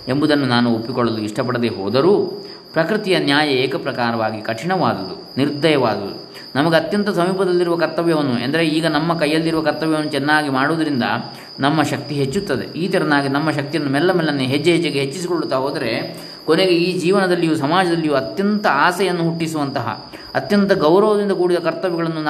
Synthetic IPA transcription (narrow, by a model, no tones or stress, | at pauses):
embud̪ɐnːunaːnuopːikɔɭːɐluiʂʈɐp̬ɐɽɐd̪eːɦo̰ːd̪ɐɾuː | pɾɐkɾit̪ijɐnjaːjɐeːkɐpɾɐkaːɾɐʋaːɡikɐʈʰiɳɐʋaːd̪ɐd̪ṵ | niɾd̪ʱɐjɐʋaːd̪ɐd̪u | nɐmɐɡeɐt̪jɐnt̪ɐsɐmiːpɐd̪ɐlːiɾuʋɐkɐɾt̪ɐʋjɐʋɐnːuend̪ɐɾeiːɡɐnɐmːɐkɐjːɐlːiɾuʋɐkɐɾt̪ɐʋjɐʋɐnːut͡ʃɛnːaːɡimaːɽuʋd̪ɐɾind̪ɐ̰ | nɐmːɐʃɐk̚t̪iɦet͡ʃːut̪ːɐd̪ḛiːt̪ɐɾɐnaːɡinɐmːɐʃ̬ɐk̚t̪ijɐnːumɛlːɐmɛːlːɐnːuɦed͡ʒːɐɦed͡ʒːɐɡeɦet͡ʃːisikoɭːut̪ːaːɦoːd̪ɐɾe̞ | ko̞neɡe̞iːd͡ʒiːʋɐnɐd̪ɐlːijusɐmaːd͡ʒɐd̪ɐlːijuɐt̪jɐnt̪ɐaːsɛjɐnːuɦuʈːisuʋɐnt̪ɐɦɐ̰ | ɐt̪jɐnt̪ɐɡɐwɾɐʋɐd̪ind̪ɐkuːɽid̪ɐkɐɾt̪ɐʋɛɡɐɭɐnːun